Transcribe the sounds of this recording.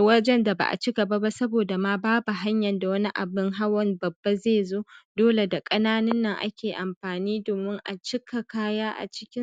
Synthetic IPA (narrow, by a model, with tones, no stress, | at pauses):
wɐ˦d͡ʒɛ˦nda˨ba̰˨ʔa̰˨t͡ʃɪ˦ɡɐ˨ba˦ba˦sɐ˦boː˨da˨maː˨baː˦bu˨ɦa˦ɲjɐ˨nda˨wɐ˦ni˦ʔa̰˨bɪ˦ŋɦa˦wɔ˦nbɐ˨bːa˦zeː˦˨zoː˦doː˦le˨da˨kʼɐ˦naː˦nɪ˦nːɐ˨ŋʔa̰˦kʲeː˨ʔa˨mɸaː˨niː˦doː˨mɪ˦ŋʔa̰˨t͡ʃɪ˦ka˨kaː˦jaː˦ʔa̰˨t͡ʃɪ̥˦kʲɪ˦